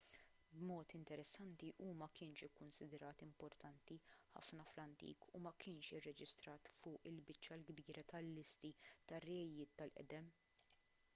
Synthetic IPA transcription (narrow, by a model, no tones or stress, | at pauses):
bmɔːt̪ɪnt̪ɛɾɛsːɐnt̪iʔuːmɐkɪːnʃɪkːʊnsɪd̪ɾɐːt̪ɪmpɔɾt̪ɐnt̪iħɐ̰fnɐflɐnt̪ḭːkʰumɐkɪːnʃɪrːɛd͡ʒɪst̪ɾɐːt̪fʊːʔɪlbɪt͡ʃːɐlɡbiːɾɐt̪ɐlːɪst̪it̪ɐrːɛɛjɪːt̪ːɐlʔɛ̰d̪ɛm